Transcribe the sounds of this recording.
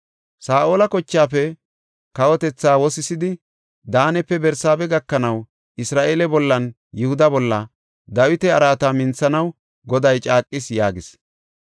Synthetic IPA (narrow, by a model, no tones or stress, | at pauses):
saːʔoːlɐkɔt͡ʃːaːfɛ | kɐwɔt̪ɛt͡sːaːwɔsɪsɪd̪ɪ | d̪aːnɛpːɛbɛɾsaːbɛɡɐkːɐnɐw | ʔɪsɾaːʔeːlɛbɔlːɐn | jʊhʊd̪ɐbɔlːɐ | d̪ɐwɪt̪ɛɐɾaːt̪amɪnt͡sːɐnɐw | ɡɔd̪ɐjt͡ʃʼaːkʼːɪsjaːɡɪs